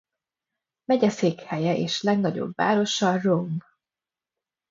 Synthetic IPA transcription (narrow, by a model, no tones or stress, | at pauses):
mɛɟɛseːkhɛjɛʔḛːʃlɛɡnɒɟo̰bva̰ːɾo̞ʃɒromb